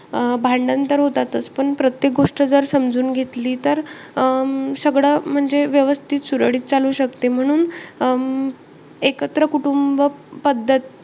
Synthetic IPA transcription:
bʱaɳɖənt̪əɾɦot̪at̪əspəɳpɾət̪jek̚ɡoʂʈəd͡zəɾsəmd͡zuːnɡʱet̪liːt̪əɾ | səɡɭam̤əɳd͡zeʋjəʋəst̪ʰiːt̪suɾəɽiːt̪t͡saluːɕəkt̪em̤əɽ̃uːn | ekət̪ɾəkuʈumbəpəd̪ʱːət̪

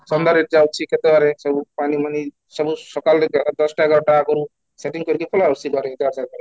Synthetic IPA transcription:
sɔnd̪aɾiʈ̚d͡ʒawt͡ʃʰiket̪ewaɾesɔbupanimani | sɔbusɔkalɾɡɛlad̪ɔsʈaɦɛɡaɾɔʈaakɔɾu | seʈiŋkɔɾikipʰɔlaɾt͡ʃʰiɡɔɾeit̪ɛaɾsad̪̚baɾe

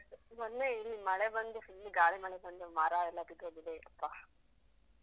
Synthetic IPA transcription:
mɔnːeiɾimɐɭebɐnd̪ufilːiɡaːɭimɐɭebɐnd̪umaːɾaːɛlːɐt̪it̪oɡid̪eɐpːaː

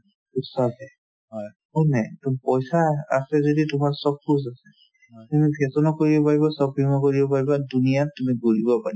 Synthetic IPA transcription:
usasɛ | ɔjhɔnajtupɔjsaa̰sɛzoditʊmasɔpʰːus̬asɛ | tumipʰesɔnɔkoɹibɔpaɹibɔsɔpʰɹimɔkoɹibɔpaɹibadunijatumiɡuɹibɔpaɹi

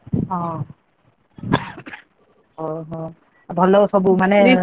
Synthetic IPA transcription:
ɔ̃ | ɔɦɔ̃ | bʱɔlːɔsɔbumanɛi

